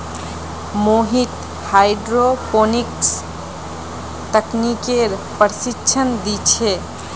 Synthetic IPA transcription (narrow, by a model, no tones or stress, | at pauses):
moɦit̪ | hajɖɾoponiks | t̪əknikeɾpəɾsitːʃʰənd̪it͡ʃʰe